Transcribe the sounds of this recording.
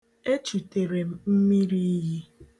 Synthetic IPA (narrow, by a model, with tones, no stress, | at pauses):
e˦t͡ʃu˨te˨ɾe˨m̩˨m̩˦mi˦ɾi˦ɦi˦